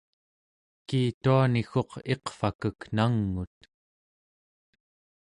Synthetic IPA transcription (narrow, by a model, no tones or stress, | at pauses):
kiːt̪uanixo̞qe̞qfakəknaŋːut̪̚